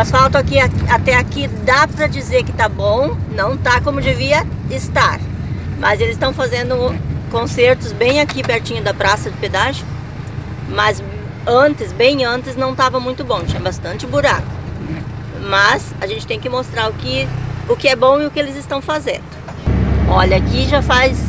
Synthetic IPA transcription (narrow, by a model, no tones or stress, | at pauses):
ɐsfawt̪ɐakiaat̪ɛakid̪apɾɐd͡ʒizeɾkɪ̥t̪abõw̃nɐ̃w̃t̪akõmʊd͡ʒɪviɐɪst̪aɾmʔɐzelɪzɪst̪ɐ̃w̃fazẽnd̪ʊkõseɾt̪ʊzbẽj̃akipɛɾt͡ʃĩɲʊd̪ɐpɾasɐd͡ʒɪped̪aʒɪkʊ | mɐz | ɐ̃nt̪ɪsbẽj̃ɐ̃nt̪ɪznɐ̃w̃t̪avɐmũj̃t̪ʊbõt͡ʃĩɲɐ̃bast̪ɐ̃nt͡ʃɪbuɾakʊ̥ | mɐsaʒẽnt͡ʃɪ̥t̪ẽj̃kɪmost̪ɾaɾʊkɪʊkɪɛbõw̃ɪʊkɪelɪzɪst̪ɐ̃w̃fazḛ̃nd̪ʊ | ɔʎɐakiʒafajs